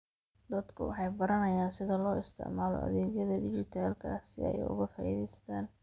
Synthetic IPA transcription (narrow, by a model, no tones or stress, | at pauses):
d̪ɐd̪kʰʊwɑ̰ħɑjbɐɾɐnɐjaːnsɪðɐlɔːɪst̪ʰɪ̰ʕmaːlɔ̰ʔɐ̰ðɛːɣjɐðɐɖɪt͡ʃɪt̪ʰaːlkʰa̰ːsɪ̰ɛ̰jʊ̰ɣɐfaːʔiðɛjst̪ʰaːn